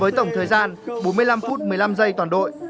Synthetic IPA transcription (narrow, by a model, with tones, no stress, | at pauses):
əː˨˦jt̪ə˧˩wŋ͡mt̪ʰəː˨˩jzaː˧nɓo˨˦nmɨ˧əjla˧mfṵ˦˥t̚mɨ˨˩əjla˧mzə˧jt̪waː˨˩ɗo̰˧˨jʔ